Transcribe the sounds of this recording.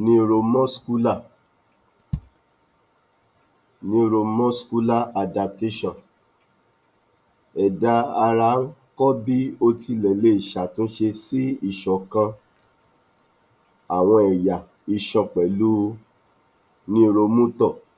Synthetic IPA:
nĩ˦˧ɾo˧mɔ̃˦sku˦la˦˨ | nĩ˧˦˧ɾo˧mɔ̃˦sku˦la˦˨a˧da˧p̚te˦ʃɔ̃˦˨ | ɛ˨da˧˦a˧ɾa˧˦kɔ˦bi˦o˧ti˧lɛ˨le˧˦i˨ʃa˨tũ˦ʃe˧si˦i˦˨ʃɔ˨kã˧ | a˨w̃ɔ̃˧ɛ˨ja˨ | i˨ʃɔ̃˧k͡pɛ˨lu˦ | nĩ˦˧ɾo˧mũ˦tɔ˦˨

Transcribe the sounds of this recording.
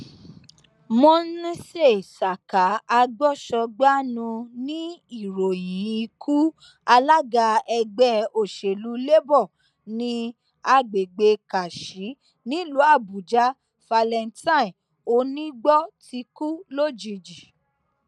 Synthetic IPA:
mɔ̃˦n˦ĩ˦se˦˨sa˨ka˨˦a˧ɡ͡bɔ˦ʃɔ˧ɡ͡ba˦nũ˧nĩ˦i˦˨ɾo˨jĩ˨˦i˧kʰu˦ | a˧la˦ɡa˧ɛ˧ɡ͡bɛ˧o˦˨ʃe˨lu˨˦le˦bɔ˦˨ | nĩ˧ | a˧ɡ͡be˨ɡ͡be˧ka˨ʃi˨˦ | nĩ˦lu˨˦a˦˨bu˨d͡ʒa˦ | fa˧lɛ˧n˦tã˦ĩ˨ | o˧nĩ˦ɡ͡bɔ˦ti˧ku˦lo˦˨d͡ʒi˧d͡ʒi˨

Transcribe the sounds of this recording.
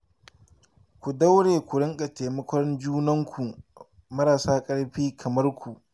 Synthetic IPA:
kʷu˨da˦wɽeː˨kʷʊ˨ɽɪ˦ŋkʼa˨teː˨mɐ˦kʷɔ˦rnd͡ʒuː˦nɐ˦ŋkʷʰu˨ | mɐ˦ɾaː˨saː˦kʼɐ˦ɽɸiː˦kʰɐ˨mɐ˦rkʷu˨ʔ

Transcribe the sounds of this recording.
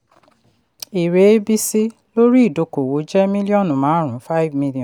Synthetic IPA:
i˨ɾe˨˦bi˦si˦ | lo˦ɾi˦i˦˨do˨˧ko˨wo˨˦d͡ʒɛ˦mĩ˦li˦ɔ̃˦˨nũ˨mãː˨˦ɾũ˨˦fa˦i˦vmĩ˦lɔ̃˨

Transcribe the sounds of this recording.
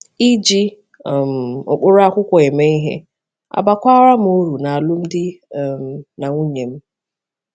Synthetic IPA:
i˦d͡ʒi˦˨ | m̩˨ʊ̰˨k͡pʊ˦ɾa˦kʷʊ˦kʷɔ˨e˨me˦i˦ɦḛ˦ | a̰˨ba˨kʷa˦ɾa˦m̩˦u˦ɾu˨na˨a˨lʊ˦m̩˦dɪ˦˨m˨na˨ŋʷu˦ɲe˨m̩˦

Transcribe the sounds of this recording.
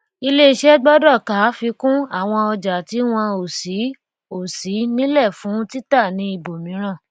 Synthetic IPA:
i˧le˦i˧ʃɛ˦ɡ͡bɔ˦dɔ˦˨ka˨˦fi˧kũ˦a˦˨w̃ɔ̃˧ɔ˧d͡ʒa˨ti˨˦w̃ɔ̃˧o˨si˨˦ | o˨si˨˦nĩ˦lɛ˦˨fũ˨˦ti˦ta˦˨nĩ˧˦i˧bo˨mĩ˨˦ɾ̃ã˦˨

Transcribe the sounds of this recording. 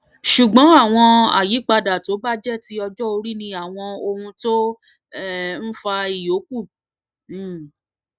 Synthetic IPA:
ʃu˨ɡ͡bɔ̃˨˦a˦˨w̃ɔ̃˧a̰˨ji˨˦k͡pa˧da˨to˨˦ba˦d͡ʒɛ˦ti˦ɔ˧d͡ʒɔ˦o˧ɾi˦nĩ˧a˦˨w̃ɔ̃˧o˧hũ˧to˦ | ɛ˦n̩˦fa˧i˨jo˨˦k̚u˦˨˦

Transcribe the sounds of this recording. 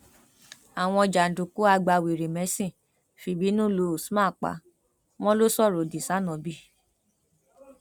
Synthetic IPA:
a˨w̃ɔ̃˧ɔ˧d͡ʒa˨n̩˨du˨ku˦a˧ɡ͡ba˧wi˨ɾe˨mɛ̃˨˦sĩ˦˨ | fi˧˦bi˨˦nũ˦˨lo˧˦˨smã˦˨k͡pa̰˨˦ | w̃ɔ̃˦lo˦sɔ˦˨ɾo˨di˨sa˨˦nɔ̃˨˦bi˦

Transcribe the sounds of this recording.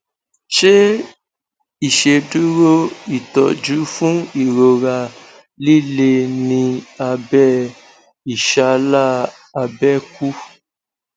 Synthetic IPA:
ʃe˦ | i˨ʃe˧du˦ɾo˦i˨tɔ˨d͡ʒu˨˦fũ˦i˦˨ɾo˨ɾa˨ | li˦˨le˧nĩ˧a˧bɛ˦ | i˨ʃa˧la˦˨ | a˧bɛ˦ku˦

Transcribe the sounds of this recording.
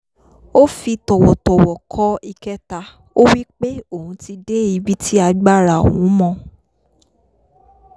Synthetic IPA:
o˦fi˧tɔ˨wɔ˨tɔ˨wɔ˨kʰɔ˦i˧kɛ˦ta˧ | o˦wi˦k͡pe˦o˦˨hũ˨˦ti˧de˦i˨˧bi˦tʰi˦a˧ɡ͡ba˦˨ɾa˨o˨wũ˨˦mɔ̃˧

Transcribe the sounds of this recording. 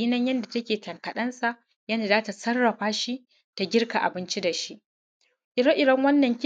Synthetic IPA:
i˦nɐ˦ɲjɐ˦nda˨tɐ˦kʲeː˨tɐ˨ŋkɐ˨ɗɐ˦nsa˨ʔ | ja˦neː˨zaː˦ta˨sɐ˦rːɐ˨ɸaː˦ʃi˦ | ta˨ɡʲɪ˦rka˨ʔa̰˨bɪ˦nt͡ʃi˦da˨ʃi˦ʔ | ʔɪ˨dɐ˦ʔɪ˨dɐ˦ŋwɐ˦nːɐ˨ŋkʲ

